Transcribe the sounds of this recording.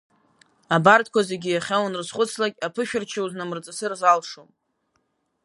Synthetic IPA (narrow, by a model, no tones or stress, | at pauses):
abart̚ʰʼkʷaze̞ɡʲijaχʲawanrɨzχʷʊt͡sʰlakʲʼapʰɨʃᶣɪrt͡ʃʰauznamɨrt͡sʼasɨrzalʂom